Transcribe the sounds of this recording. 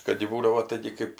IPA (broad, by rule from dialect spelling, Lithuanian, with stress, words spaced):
ˈkɐt jɪ ˈbuːdɐʋoː ˈtɐɪɡʲɪ kɜp